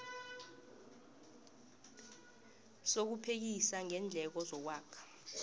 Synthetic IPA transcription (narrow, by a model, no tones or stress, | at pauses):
sok̬upʰek̬isaŋɛnd͡ɮʱɛk̬ɔzɔk̬waːkʰḁ